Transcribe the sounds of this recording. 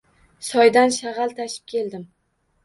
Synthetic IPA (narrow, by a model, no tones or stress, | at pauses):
sɒjd̪anʃaʁɑlˠt̪ʰaʃɪ̥p̚kʲʰe̞ld̪ɪm